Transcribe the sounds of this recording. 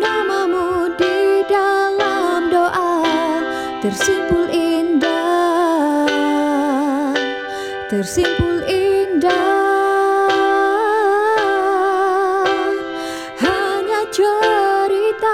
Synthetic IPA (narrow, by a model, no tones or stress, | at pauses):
namamudidalamdoʔa | t̪ərsimpʊlʔinda | t̪ərsimpʊlinda | haɲat͡ʃəɾit̪a